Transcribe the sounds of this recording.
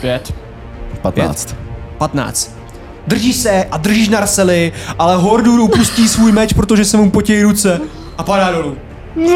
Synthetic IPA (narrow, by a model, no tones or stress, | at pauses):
pjɛt̪ | pat̪ɛ̰ːt͡st̪pat̪na̰ːt͡st̪ | d̪r̩ʒiːʃsɛʔad̪r̩ʒiːʃ̬naɾasɛlɪʔalɛɦoɾduɾupusciːsvuːjmɛt͡ʃpɾo̞t̪̬oʒɛsɛmupo̞cɛjɾut͡sɛ | ʔapadaːdo̞luː